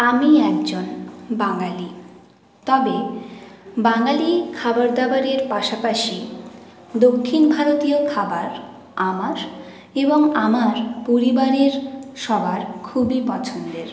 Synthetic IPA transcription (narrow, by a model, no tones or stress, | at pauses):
amiɛk̚d͡ʑonbaŋali | t̪ɔbe | baŋalikʰabaɾd̪abaɾeɾpaʃapaʃi | d̪okʰːinbʱaɾot̪iokʰabaɾ | amaɾ | eboŋamaɾpoɾibaɾeɾʃɔbʱaɾkʰubipɔt͡ɕʰond̪eɾ